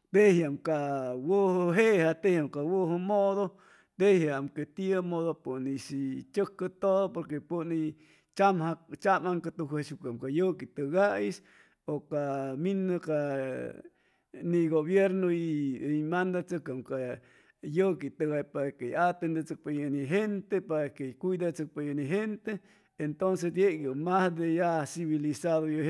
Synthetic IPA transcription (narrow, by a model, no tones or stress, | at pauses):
t̪ehjamkawohəɦeʔhat̪ehjamkawoɦomoðo | t̪ehjaamket̪iəmoðopunisit͡ʃəkːət̪oðopoɾkepuni | t͡ʃamhat͡ʃamaŋkat̪uɦeʃukamkajəkit̪ɨɣajs | okaminka | niɡoβjeɾnoiimand̪at͡səkamka | jəkit̪əɣapaɾkejat̪end̪et͡sək̚pajaniɦent̪epaɾakeikʷuid̪at͡sək̚pejaniɦent̪eː | nt̪onsesd̪jeʔɡəmasd̪ejasiβilisaðoj